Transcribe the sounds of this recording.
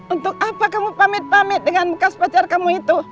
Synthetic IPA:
unt̪ʊk̚papakamupamɪt̪̚pamɛt̪̚dəŋanbəkaspat͡ʃarkamuit̪u

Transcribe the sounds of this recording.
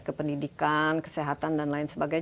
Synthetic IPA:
kəpəndidikankə̥seɦat̪andanlaɪnsəbaɡaj

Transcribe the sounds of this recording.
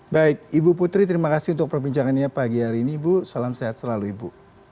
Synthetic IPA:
baɪk̚ibuput̪ɾit̪əɾimakasiunt̪ʊk̚pərbiɲt͡ʃaŋanɲapaɡiɦaɾiːniːbusalamseat̪̚səlaluibu

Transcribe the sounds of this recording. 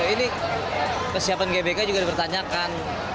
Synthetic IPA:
ini | kəsiapanɡebekad͡ʒuɡadipərt̪aɲakan

